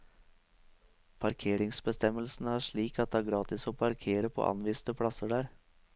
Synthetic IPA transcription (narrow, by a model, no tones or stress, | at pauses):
pʰɑɾkʰeːɾɪŋsbəst̪ɛməlsn̩æːʂɭiːkɑt̪̚d̪ɛɑːɡɾɑːt̪ɪsoːpʰɑɾkʰeːɾəpʰo̰ʔɑ̰nʋiːst̪əpʰɽɑsəɖæːɾ